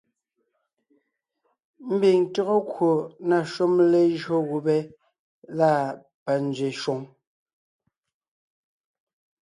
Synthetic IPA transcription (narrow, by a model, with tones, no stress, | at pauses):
m̩˦bi˨ŋto˦ɣo˦kwo˨na˨ʃu˦mle˦ʒɰo˦ɣu˨bɛ˦ | la˦˨ | pa˨n˦d͡zɥe˨ʃwo˨ŋ